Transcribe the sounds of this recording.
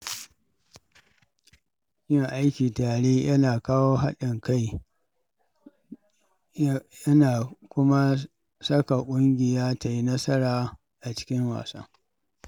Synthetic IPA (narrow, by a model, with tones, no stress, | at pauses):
kʲɪ˦ŋʔa˦jkʲiː˨taː˨ɽeː˦jɐ˦naː˨kaː˦woː˦ɦa˦ɗɪ˨ŋka˦˨j | jɐ˦naː˨kʷʊ˦ma˦ | sɐ˦ka˨kʷʼʊ˦ŋɡʲɪ˨jaː˦ta˨ji˦nɐ˦sɐ˦ɾaː˨ | ʔa˨t͡ʃɪ̥˦kʲɪ˦ŋwa̰ː˨sɐ̰˦ŋ